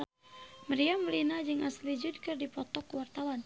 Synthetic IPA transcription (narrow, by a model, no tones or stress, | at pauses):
məɾiaməlinad͡ʒɨŋʔaslid͡ʒud̚kɨrdipɔt̪ɔkwart̪awan